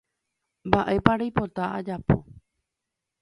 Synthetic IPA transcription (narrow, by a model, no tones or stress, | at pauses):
mbaʔe̞paɾajpo̞t̪aʔad͡ʒapo̞̰